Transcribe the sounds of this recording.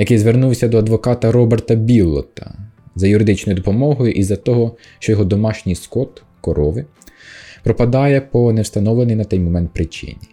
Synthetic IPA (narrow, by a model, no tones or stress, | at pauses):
jɐkjzʋernuwsʲɐd̪ɔɐd̪ʋɔkɑt̪ɐɾɔbert̪ɐbʲilˠːɔ̰t̪ɐ̰zɐjʊɾɪd̪ɪt͡ʃnɔjʊd̪ɔpɔmɔɦɔjʊʔizɐt̪ɔɦɔ | ʃt͡ʃɔjɔɦɔd̪ɔmɑʃnʲijskɔt̪ | kɔɾɔʋɪ | pɾɔpɐd̪ɑjɛpɔnɛwst̪ɐnɔʋlˠenɪjnɐt̪ɛjmɔmɛnt̪̚pɾɪt͡ʃɪ̰nʲi